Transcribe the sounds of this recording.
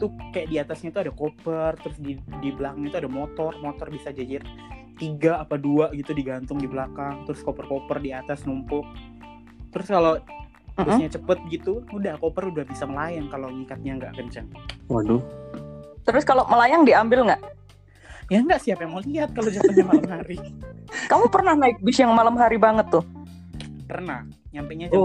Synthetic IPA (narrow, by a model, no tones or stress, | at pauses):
t̪ukajaʔdiat̪asɲat̪uadakopərt̪əɾʊsdidibəlakaŋɲat̪uadamot̪ɔrmot̪ɔrbisad͡ʒad͡ʒɪt | t̪iɡaːpaduaɡit̪udiɡant̪ʊŋdibəlakaŋt̪əɾʊskopərkopərdiat̪asnumpʊk̚ | t̪əɾʊskalo | m̩ɡʊsɲat͡ʃəpət̪̚ɡit̪uudahkopərudahbisaməlajaŋkaloɲikat̪̚ɲaŋɡa̰ʔkənt͡ʃaŋwadʊ | t̪əɾʊskaloməlajaŋdiambɪlŋɡaʔ | jaŋɡaʔsiapjaŋmaliɦat̪̚kalod͡ʒapatamalamɦaɾikamupərnahnaɪk̚bɪsjaŋmalamɦaɾibaŋət̪ːʊh | pərnah | ɲampeɲa